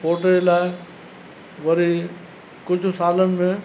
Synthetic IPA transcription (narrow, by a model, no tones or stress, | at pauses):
poːʈeelaːɪ | ʋɐɾi | kʊd͡ʑʱsaːlənɪ̆mẽ